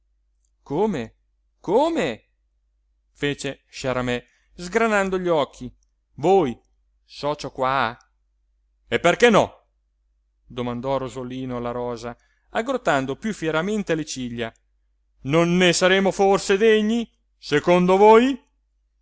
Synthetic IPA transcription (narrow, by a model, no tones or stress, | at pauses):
koːme | koːme | feːt͡ʃe | ʃaɾamɛ | zɡɾanand̪oʎɔkʰːi | voːj | sɔt͡ʃokwa | epːerkɛnːɔ | d̪omand̪ɔrozoliːnolaɾɔːza | aɡɾot̪ːand̪opjufjɛɾament̪elet͡ʃiʎːa | nonːesaɾeːmoforsed̪eɲːi | sekond̪ovoːj